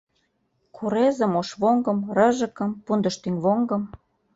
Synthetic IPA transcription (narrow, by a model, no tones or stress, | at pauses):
kʰuɾezə̆moʃβoŋɡɤ̆mrə̆ʒə̆kɤ̆mpund̪ə̆ʃt̪yŋβoŋɡɤ̆m